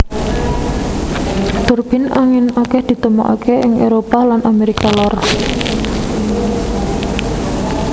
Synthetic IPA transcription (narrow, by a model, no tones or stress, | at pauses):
t̪ʊrb̥ɪ̤na̰ŋɪnakɛhd̪̥i̤t̪əmoʔa̰kʰeɪŋʔeɾopalanʔameɾikalɔr